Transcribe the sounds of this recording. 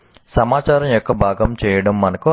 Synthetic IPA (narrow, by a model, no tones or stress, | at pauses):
sɐmaːt͡ʃaːɾɐmjɔkːɐbʱaːɡɐmt͡ʃɛːjɐɽɐmːɐnɐku